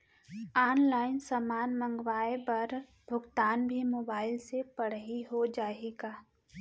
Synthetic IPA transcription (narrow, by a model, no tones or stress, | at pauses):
aːnlaːɪnsaːmaːnmə̃ŋɡwaːebɐɾ | bʱʊɡt̪aːnbʱimoːbaːɪlsepɐɽ̤ɦiɦod͡ʒaːeːɡaː